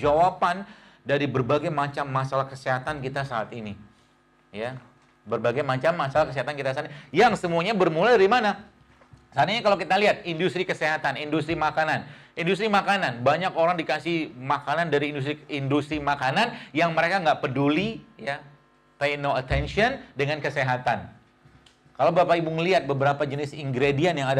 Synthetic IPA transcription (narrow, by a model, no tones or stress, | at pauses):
d͡ʒawapan | daɾibərbaɡajmat͡ʃamːasalahkəseɦat̪ankit̪asaːt̪ini | ja | bərbaɡajmat͡ʃamːasalahkəs̬eɦat̪ankit̪as̬at̪ijaŋsəmuaɲabərmuladaɾimana | sat̪iɲakalawkit̪aliɦat̪̚indust̪ɾikəseɦat̪anindust̪ɾimakanan | indus̬t̪ɾimakananbaɲakoɾaŋdikasɪhmakanandaɾiːndust̪ɾiindust̪ɾimakananjaŋməɾekaŋɡaʔpədulija | pejnoət̪ɛnʃiɔndəŋankəseɦat̪an | kalawbapaibuŋəliɦat̪̚bəbəɾapad͡ʒənɪsiŋɡɾedianjaŋad